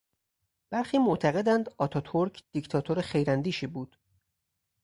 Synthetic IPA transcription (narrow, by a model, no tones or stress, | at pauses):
b̥æɾxiːmoʔt̪ʰæɣe̞d̪ænd̪ɒːt̪ʰɒːt̪ʰoɾcʰd̪̥ict̪ʰɒːt̪ʰoɾexe̞jɾænd̪iːʃiːbuːd̪̥